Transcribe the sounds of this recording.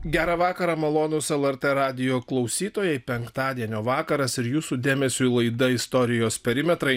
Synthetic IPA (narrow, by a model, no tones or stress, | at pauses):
ɡʲæːɾɑʋɑːkɐɾɑːmɐlˠoːnʊsɛlˠɛɾʲt̪ɛɾɑːd̪ʲɪjoːklˠɐʊsʲiːt̪oːjɛɪpʲɛŋkt̪ɑːd̪ʲiɛnʲoːʋɑːkɐɾɐsɪɾjuːsuːd̪ʲeːmʲɛsʲulˠɐɪd̪ɐɪst̪ɔɾʲɪjoːspʲɛɾʲɪmʲɛt̪ɾɐɪ